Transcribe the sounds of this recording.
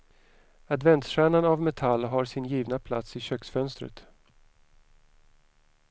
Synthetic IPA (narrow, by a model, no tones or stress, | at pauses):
ad̪vɛnt̪ɧæːɳanavmɛt̪ʰalːɦaɾʂɪnjiːvnapʰla̰t̪sɪɕœksfœnst̪ɾə̰t̪